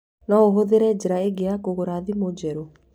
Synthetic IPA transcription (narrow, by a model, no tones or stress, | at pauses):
naoɦoðeɾɛd͡ʑeɾaeɡeakoɣoɾaðimod͡ʒɛɾo